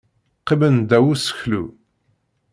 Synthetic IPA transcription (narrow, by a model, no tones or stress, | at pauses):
qːimənd̪æwusə̥çlṵ